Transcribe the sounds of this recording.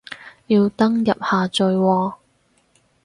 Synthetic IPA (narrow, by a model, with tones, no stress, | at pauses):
jiː˧wt̪ɐ˥ŋjɐ̰˨p̚haː˨˧t͡ʃɵ˨˧ɥwɔː˧